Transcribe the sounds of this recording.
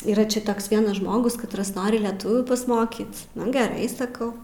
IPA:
iːˈrɐ ˈt͡ʃʲɛ ˈtoːks ˈʋʲiɛnɐs ˈʒmoːɡʊs kɐtˈrɐs ˈnoːrʲɪ lʲɛˈtʊʋʲuː pɐsˈmoːkʲiːt ˈnʊ ɡʲɛˈrɐɪ sɐˈkɐʊ

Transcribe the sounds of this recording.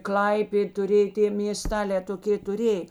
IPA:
ˈklˠɐɪpʲeːt tʊˈrʲeː ɪ tʲeː mʲeːˈstɑːlʲɛː toːˈkʲeː tʊˈrʲeːj

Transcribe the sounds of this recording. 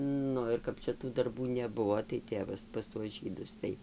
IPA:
ˈnʊ ɪr ˈkɐp t͡ʃʲɛ tuː dɐrˈbuː nʲɛˈbʊʋoː tɐɪ ˈtʲeːʋɐs pɐs tuɔs ˈʒʲiːdʊs tɐɪ

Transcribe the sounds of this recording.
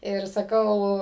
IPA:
ɪr sɐˈkɐʊ

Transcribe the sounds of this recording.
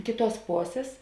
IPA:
ˈkʲeːˌtuɔs ˈpoːsʲeːs

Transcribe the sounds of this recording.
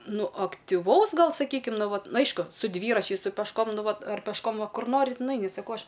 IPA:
ˈnʊ ɐktʲɪˈʋɐʊs ˈɡɐlˠ sɐˈkʲiːkʲɪm ˈnʊ ˈʋɐt ˈnʊ ˈɐɪʃkʊ sʊ ˈdʲʋʲiːrɐt͡ʃʲɛɪs sʊ pʲɛʃˈkoːm ˈnʊ ˈʋɐt ɐr pʲɛʃˈkoːm ˈʋɐ ˈkʊr ˈnoːrʲɪt nʊˈɐɪnʲɪ sɐˈkɐʊ ˈɐʃ

